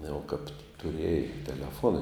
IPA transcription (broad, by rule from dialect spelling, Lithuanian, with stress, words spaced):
jɛʊ kɐp tʊˈrʲiɛjɛɪ tʲɛlʲɛˈfuɔnɐ